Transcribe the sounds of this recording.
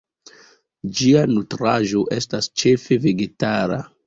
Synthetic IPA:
d͡ʒianutɾaʒo̞ʔe̞stast͡ʃe̞fe̞ve̞ɡe̞taɾa̰

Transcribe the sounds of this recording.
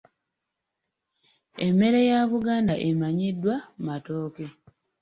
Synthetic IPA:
emːe̞ɾejaβuɡaːndaʔemaɲidːwamatoːke̞

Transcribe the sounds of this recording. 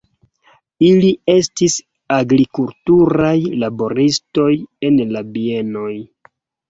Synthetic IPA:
ilie̞stis | aɡɾikultuɾajlabo̞ɾisto̞je̞nlabie̞no̞j

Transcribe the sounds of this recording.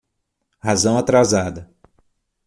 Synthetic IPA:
hazɐ̃w̃at̪ɾazad̪ɐ

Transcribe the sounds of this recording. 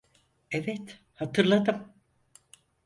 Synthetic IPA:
evɛt̪ | hat̪ʰɯɾlˠad̪ɯm

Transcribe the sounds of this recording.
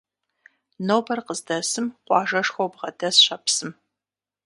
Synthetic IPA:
noːbɐrqəzdɐsɨmqʷɑːʒɐʂxowbʁɐdɐsɕɐpsɨm

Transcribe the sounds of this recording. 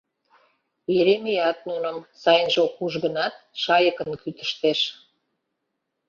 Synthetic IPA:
eɾemijɑt̪̚nunəmsɑjənʒokuʒɣə̆nɑt̪̚ʃɑjəkənkyt̪ə̥̆ʃt̪eʃ

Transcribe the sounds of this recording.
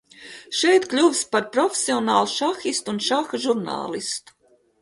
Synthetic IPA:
ʃɛjt̪klʲuvspaɾpɾɔfʲe̥siɔnaːlˠuʃaxist̪uunʃaxaʒuɾna̰ːlˠist̪u̥

